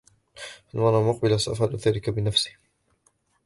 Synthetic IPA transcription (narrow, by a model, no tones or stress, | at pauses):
ʔanmɑrˤɑmʊq̚bɪlasaʔafʕaluθaːlɪkabɪnafsɪ̥h